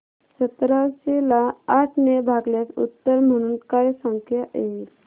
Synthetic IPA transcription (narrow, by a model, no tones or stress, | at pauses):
sət̪ɾaɕelaːʈʰnebʱaɡljat͡sṵt̪ːəɾm̤əɽ̃uːnkajsəŋkʰjaʔe